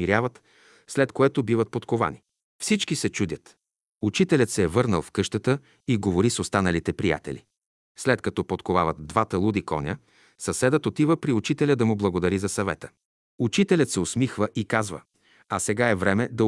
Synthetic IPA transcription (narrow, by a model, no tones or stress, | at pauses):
iɾʲjavət̪ | slɛt̪koɛt̪obivət̪̚pot̪kova̰ni | fsit͡ʃkisɛt͡ʃud̪ʲət̪ | ut͡ʃit̪ɛlʲət̪sɛːvɤɾnəlˠfkɤʃt̪ət̪ə | iɡovoɾisost̪anɐlit̪ɛpɾija̰t̪ɛ̰lʲḭ | slɛt̪kɐt̪ɔpot̪kova̰vət̪̚d̪vat̪əlˠud̪ikɔ̰nʲə | sɐsɛd̪ət̪ot̪ivəpɾiut͡ʃit̪ɛlʲəd̪ɐmʊblˠɐɡod̪ɐɾizɐsɐvɛ̰t̪ə̥ | ut͡ʃit̪ɛlʲət̪sɛosmixvəʔikazvə̰ | ɐsɛɡaɛvɾɛmɛd̪ɐ